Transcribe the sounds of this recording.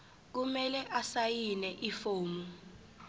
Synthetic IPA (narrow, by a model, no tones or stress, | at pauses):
k̬umɛlɛʔasajinɛʔifoːmu